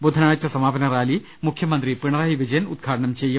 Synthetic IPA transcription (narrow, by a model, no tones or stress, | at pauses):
bud̪ʱɐnaːjɐt͡ɕːɐsɐmaːpɐnɐɾaːli | mukʰjɐmɐnd̪ripiɳɐɾaːɦiʋid͡ʑɐjɐnud̪̚ɡʱaːʈɐɳɐmt͡ɕejːɐ